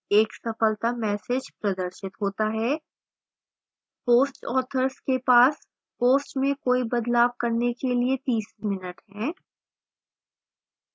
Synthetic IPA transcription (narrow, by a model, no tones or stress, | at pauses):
eːksɐfəlt̪amɛːsed͡ʒpɾɐd̪əɾʃɪt̪ɦoːt̪aɦɛː | poːsʈɔːt̪ʰəɾskepaːs | poːsʈmẽkoːibɐd̪laːʋkɐɾnekeliet̪iːsmɪnəʈɦɛ̃ː